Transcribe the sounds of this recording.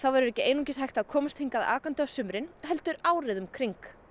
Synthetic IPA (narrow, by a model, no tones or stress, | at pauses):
θawvɛɾʏɾɛhcɪʔeːjnucɪshajht̪akʰɔːmʏst̪ʰiŋkaða̰ːkant̪asʏmɾɪnɦɛlt̪ʏɾaːwɾɪðʏmkʰɾiŋk